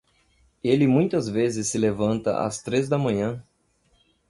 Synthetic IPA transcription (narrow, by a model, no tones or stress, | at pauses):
elɪmũj̃t̪ɐzvezɪsːɪlevɐ̃nt̪ɐ̰ʔɐ̰st̪ɾezd̪ɐmɐ̃ɲɐ̃